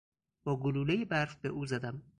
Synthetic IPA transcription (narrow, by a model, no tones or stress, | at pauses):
b̥ɒːɡoluːlejebæɾfbeʔuːzæd̪æm